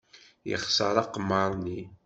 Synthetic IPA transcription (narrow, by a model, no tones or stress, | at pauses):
jə̰χsəɾˤɑqmːəɾˤni